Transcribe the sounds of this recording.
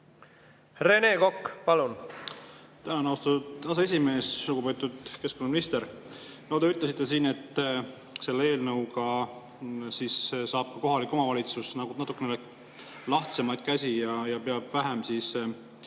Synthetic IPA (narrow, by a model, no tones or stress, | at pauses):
re̞ne̞ːko̞kːpɑlun | t̪ænɑnɑwst̪ɑud̪ɑs̬ee̞s̬ʲime̞ːsluɡ̥upet̪ːˑud̪̥ke̞skonːɑminist̪eɾ | nold̪eyt̪ˑles̬it̪ːˑe̞siːne̞t̪ːˑ | se̞lːee̞ːlnɤwkɑ | siːssɑːb̥̚kɑko̞ɦɑlikːˑo̞mɑvɑlʲit̪susnɑkunɑt̪ˑukːˑenele | lɑht̪se̞mɑjd̪̥̚kæsʲijɑjɑpeɑb̥væɦemsiːs